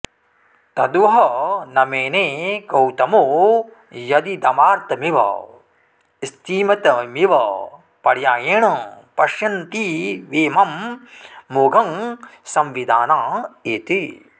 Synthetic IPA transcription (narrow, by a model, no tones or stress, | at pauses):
t̪ɐd̪uʋɐɦɐnɐmeːneːkɐwt̪ɐmoː | jɐd̪id̪ɐmaːɾt̪ɐmiʋɐ̰ | ist̪ʰiːmɐt̪ɐmiʋɐ | pɐɽjaːjeːɳɐpɐʃjɐnt̪iʋeːmɐmː | oːɡʱɐŋsɐmʋid̪ʱaːnaːeːt̪i